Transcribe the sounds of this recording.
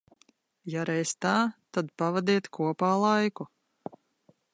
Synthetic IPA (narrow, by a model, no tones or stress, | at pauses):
jaɾɛjst̪aːt̪ad̪pavad̪iːt̪kʰuɔpaːlˠajku